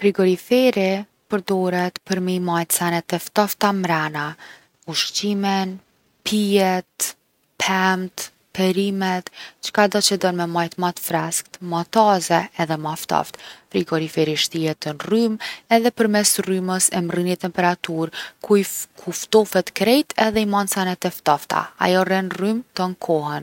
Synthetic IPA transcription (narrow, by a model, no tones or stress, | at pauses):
fɾiɡɔɾifɛɾi | pəɾd̪ɔɾɛt̪pəɾmimajt̪sanɛt̪ɛft̪aft̪amɾana | uʃt͡ʃimɛn | pʰiɛt̪ | pʰɛmt̪ | pɛɾimɛt̪t͡ʃə̥kad̪at͡ʃəd̪ɔnmɛmajt̪mat̪fɾɛskt̪mat̪azɛːðɛmaft̪a̰ft̪fɾiɡɔɾifɛɾiʃt̪iɛt̪ənrymɛðɛpəɾmɛsryməsɛmrinit̪ɛmpɛɾat̪uɾkukʰuft̪ɔfɛt̪kɾɛjt̪ɛðɛimansanɛt̪ɛft̪ɔft̪a̰a̰jɔrɛnrymt̪ɔnkʰɔɦɛn